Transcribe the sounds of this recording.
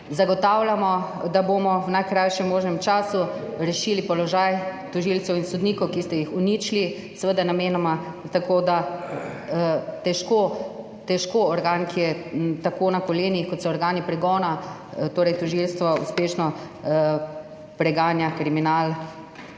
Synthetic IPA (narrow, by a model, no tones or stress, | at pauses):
zaɡɔt̪awlamɔ | d̪abomɔwnajkɾajʃɛmːoːʒnɛmt͡ʃaːsuɾɛʃilipɔlɔʒaːjt̪ɔʒilsɛwinsɔd̪niːkɔwkist̪ɛjixuniːt͡ʃli | sɛʋəd̪anameːnɔmat̪akoːd̪a | t̪ɛʃkoː | t̪ɛʃkoɔɾɡaːnkijɛt̪akoːnakɔleːniixkɔt̪sɔɔɾɡaːnipɾɛɡɔːna | t̪oːɾɛjt̪ɔʒilst̪ʋɔṵspeːʃnɔ | pɾɛɡaːnjakɾiminal